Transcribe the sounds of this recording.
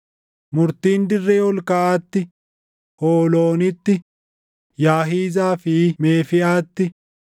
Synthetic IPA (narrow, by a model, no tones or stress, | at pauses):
mʊɾt̪iːnd̪ɪrːeːwɔlkaʔaːt̪ːɪ | hoːlo̞ːnɪt̪ːɪ | jaːɦiːzaːfɪmeːfɪʔaːt̪ːɪ